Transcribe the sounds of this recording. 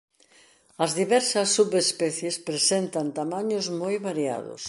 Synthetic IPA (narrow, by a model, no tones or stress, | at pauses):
ɐzðiβɛɾsɐsːuβespɛθjespɾesent̪ɐnt̪amaɲʊzmojβaɾia̰ðʊ̰s